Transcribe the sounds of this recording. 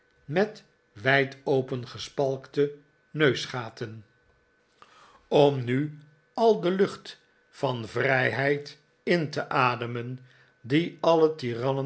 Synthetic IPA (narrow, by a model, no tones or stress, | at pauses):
mɛt | ʋɛjtowpənχəspɑlˠktə | nøɥsχaːtən | ɔmny | ɑlˠdəlɵχt | fɑnvrɛjɦɛjt | ɪntəʔaːdəmən | diɑlətirɑnə